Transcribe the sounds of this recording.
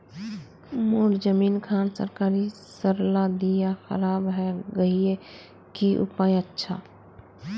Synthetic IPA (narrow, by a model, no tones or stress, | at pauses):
moːɾd͡ʒəminkʰansə̰ɾkaːɾisəɾlad̪ijaxə̰ɾaːbɦɛɡəie | kiʔṵpajətːʃʰa̰